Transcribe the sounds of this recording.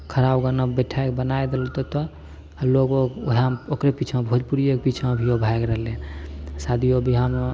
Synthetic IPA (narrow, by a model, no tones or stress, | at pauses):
kʰəɾabɡənəbeʈʰaekbənaed̪elot̪ɔt̪ɔ | loɡoɡɦmokɾepit͡ʃʰmebʱod͡ʒpuɾiek̚pit͡ʃʰmebʱiobʱaekɾəɦlensad̪ʱiobʱiɦəm